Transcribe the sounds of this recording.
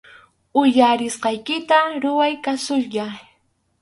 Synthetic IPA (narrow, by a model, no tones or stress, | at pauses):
ʊjaɾɪsqɑjkɪt̪aɾʊwajkasʊʎʎa